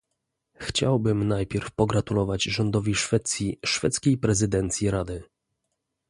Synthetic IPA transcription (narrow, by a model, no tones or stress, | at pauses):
xt͡ɕa̰wbɘmnajpʲjɛɾfpɔɡɾat̪ulɔvad͡ʑʐɔnd̪ɔvʲiʂfɛt̪sʲjiʂfɛ̰t̪skʲejpɾɛzɘd̪ɛnt̪sʲjiɾad̪ɘ